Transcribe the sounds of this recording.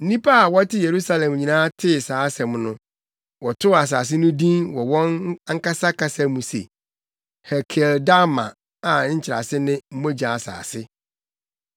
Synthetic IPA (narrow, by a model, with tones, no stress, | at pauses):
n̩˦nĩ˦pʰa˦a˨wɔ˦tɪ˦je˨ɾu˦sa˦lɛ̃˨m˨ɲi˨nãː˦tʰɪ˦˨saː˨˦sɛ̃˨mnʊ̃˦ | wɔ˨tʰʊ˦a˨s̬aː˨s̬ɪ˦nʊ̃˦dĩ˦nwɔ˨wɔ̃˦na˦ŋ̩˦ka˦sa˦kʰa˦sa˦mũ˨sḛ˨ | hɛ˨kʰɛ˨lda˦mã̰˨ | a˨˦ɲ̩˦t͡ɕʰɪ˨ɾa̰˨sɪ˦nɪ̃˦m̩˦mõ˦d͡ʑa˨a˨sa̰ː˨sɪ˦